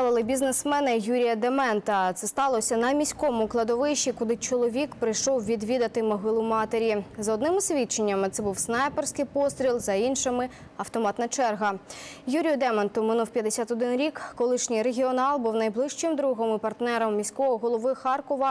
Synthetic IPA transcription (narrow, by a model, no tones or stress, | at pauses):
ɑlˠɐlˠɪbʲiznesmɛnɪjuɾʲijɐd̪emɛnt̪ɐt̪sɛst̪ɑlˠɔsʲɐnɐmʲisʲkɔmʊklˠɐd̪ɔʋɪʃikʊd̪ˠɪt͡ʃɔlˠɔʋʲikpɾɪjʃɔwʋʲid̪ʋʲid̪ɐt̪ɪmɔɦɪlˠʊmɑt̪eɾʲizɔd̪nɪmɪsʲʋʲit͡ʃenʲːɐmɪt̪sɛbuwsnɑjpersʲkɪjpɔst̪ɾʲilˠzɐinʃɪmɪ | ɐwt̪ɔmɑt̪nɐt͡ʃɛrɦɐjuɾʲijʊd̪ɛmɛnt̪ʊmɪnuwpʲjɐd̪esʲat̪ɔd̪ɪnɾʲikːɔlˠɪʃnʲijɾeɦʲiɔnɑlˠbuwnɐjblˠɪʃt͡ʃɪmd̪ɾuɦɔmɪpɐrt̪nɛɾɔmːʲisʲkɔɦɔɦɔlˠɔʋɪxɑrkɔʋɐ